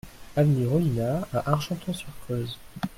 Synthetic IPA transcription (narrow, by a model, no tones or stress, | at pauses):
avniʁɔinaaʔaʁʒɑ̃t̪ɔ̃syʁkʰøz